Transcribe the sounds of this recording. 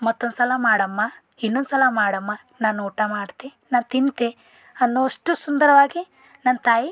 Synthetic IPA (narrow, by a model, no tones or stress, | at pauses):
mɐt̪ːonsɐlɐmaːɽɐmːɐ | inːond̪sɐlɐmaːɽɐmːɐ | naːnuːʈamaːɽt̪e | naːnt̪int̪e | ɐnːoɐʂʈusund̪ɐɾɐʋaːɡi | nɐnːt̪aːji